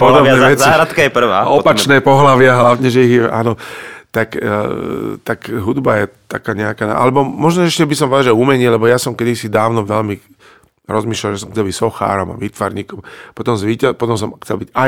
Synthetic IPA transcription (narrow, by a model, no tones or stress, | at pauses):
pɔd̪ɔbɛɛsiɦɾat̪kajɛpr̩ʋaːɔpat͡ʃnɛːpɔɦlaʋɪaɦlaʋɲɛʒɛiɦjɛʔa̰ːnɔt̪akː | t̪akɦud̪bajɛt̪a̰kaːɲɛakaːna̰ʔa̰lɛbɔmɔʒnɔɛʃcɛbisɔmʋɛd̪aʒɛuːmɛɲɪɛlɛbɔjasɔmkɛd̪isid̪aːʊnɔʋɛlmi | ɾɔzmiːʃlalʒɛsɔmxt͡sɛlbicsɔxa̰ːɾɔma̰ʋiːt̪ʋa̰ɾɲiːkɔmpɔt̪ɔmzʋiːcapɔt̪ɔmsɔmxt͡sɛlbiɟaj